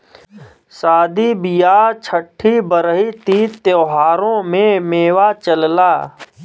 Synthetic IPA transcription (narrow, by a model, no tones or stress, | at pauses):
saːd̪ʱibijaːt͡ʃʰəʈʰːibəɾɦit̪it̪joːɦaːɾõmẽmeːwat͡ʃəllaː